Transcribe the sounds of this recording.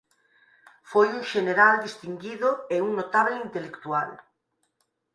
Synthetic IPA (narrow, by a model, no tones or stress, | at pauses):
fojuŋʃeneɾald̪ist̪iŋɡiðʊeuŋnot̪aβleint̪elekt̪ual